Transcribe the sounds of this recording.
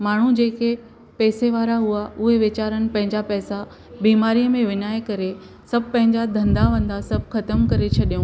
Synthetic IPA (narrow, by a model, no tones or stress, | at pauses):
maːɳ̤ud͡ʑeːke | pɛːseʋaːɾaɦuaʔʊɦeʋɪt͡ɕaːɾənɪ̆pɐ̃ɦɪ̃ɲd͡ʑapɛːsa | biːmaːɾijəmẽʋɪɲaːekɐɾe | sɐb̚ʱpɐ̃ɦɪ̃ɲd͡ʑad̪ʱɐ̃nd̪aʋɐ̃nd̪asɐb̚ʱxɐt̪əmkɐɾet͡ɕʰɐɗijũː